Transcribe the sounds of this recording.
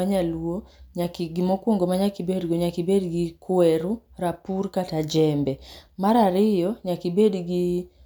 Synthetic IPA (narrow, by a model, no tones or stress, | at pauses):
aɲaluoɲakiɡimɔkwoŋɡɔmaɲakibedɡɔɲakibedɡikwɛɾuɾapurkatad͡ʒɛmbɛmaɾaɾɪjɔɲakibedɡi